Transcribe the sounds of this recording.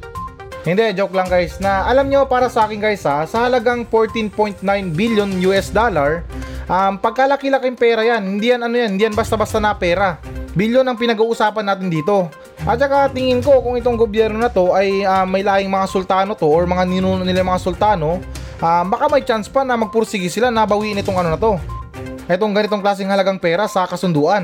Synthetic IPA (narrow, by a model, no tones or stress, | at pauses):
hɪnd̪ɛd͡ʒoklɐŋɡajsnɐʔɐlamɲopaːɾɐsɐʔaːkɪŋɡajsɐsɐhɐlɐɡaŋfoɹt̪ɪnpo̞jnt̪̚najnbiljo̞njuːʔɛsd̪olɐɹʔampɐɡ̚kalɐkɪlɐkɪŋpɛːɾɐjanhɪnd̪iːjɐnɐnojanhɪnd̪iːjɐnbɐst̪abast̪anɐpɛːɾɐbiljonɐŋpɪnɐɡuːʔʊsaːpɐnaːt̪ɪnd̪iːt̪o̞ | ʔɐt͡ʃɐkat̪ɪŋɪnko̞kʊŋɪt̪oŋɡobjɛɾno̞nɐt̪o̞ʔɐjamːɐjlaːjɪŋmɐŋasʊlt̪aːno̞t̪o̞ʔoɹmɐŋanɪnuːnonɪlajmɐŋasʊlt̪aːno̞ | ʔambɐkamɐjt͡ʃanspanɐmɐɡ̚pʊɾsɪɡɪsɪlanɐbɐwiːʔɪnɪt̪o̞ŋɐno̞nɐt̪o̞ | ʔɛt̪o̞ŋɡɐnɪt̪o̞ŋklaːs̬ɪŋhɐlɐɡaŋpɛːɾɐsɐkɐsʊnd̪uːʔɐn